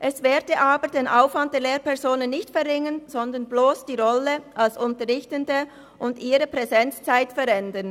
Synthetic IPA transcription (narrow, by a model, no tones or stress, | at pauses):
ʔɛsv̥eːɐdəʔaːbədeːnʔaʊfvant̚d̥eːleːpɛʁzoːnənːɪçtfɛʁːɪŋənz̥ɔndənbloːsd̥iːʁɔləʔalsʊntəʁɪçtəndə | ʔʊndiːɾəpʁ̥ɛzɛnt͡st͡saɪtfɛɾɛndən